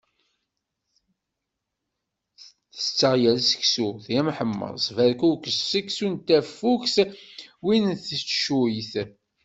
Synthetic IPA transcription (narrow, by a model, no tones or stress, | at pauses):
θət͡sːəʁjælsə̥ksuθjæmħəmːə̰ðˤsˤvæɾkukəssəksunt̪ːæfːukswinθət͡sːʃujθ